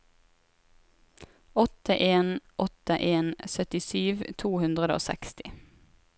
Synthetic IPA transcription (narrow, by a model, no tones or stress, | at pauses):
ɔt̪əʔeːnʔɔt̪əʔeːnsœt̪ɪsyːʋt̪ʰuːhʉnd̪ʁəd̪əo̰ːsɛ̰kst̪ɪ